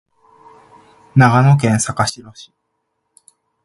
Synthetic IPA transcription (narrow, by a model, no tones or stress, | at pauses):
naɡano̞k̬ẽɰ̃sakaɕiɾo̞ɕi̥